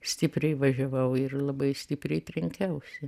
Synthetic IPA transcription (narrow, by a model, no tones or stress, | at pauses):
sʲt̪ʲɪpʲɾʲɛɪʋɐʒʲɛʋɐʊɪrlˠɐbɐɪsʲt̪ʲɪpʲɾʲɛɪt̪ʲɾʲɛŋʲkʲɛʊsʲɪ